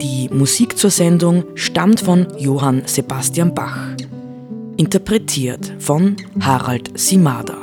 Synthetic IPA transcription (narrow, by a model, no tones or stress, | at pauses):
d̥iːmuziːkt͡suːɐzɛndʊŋʃtamtfɔnjoːɦanz̥ebastianba̰x | ʔɪntɐpʁɛtʰiːɐtfɔnhaːʁa̰ltsimaːdɐ̰